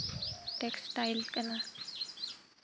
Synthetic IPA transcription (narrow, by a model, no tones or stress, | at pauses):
ʈeksʈaɪlkəna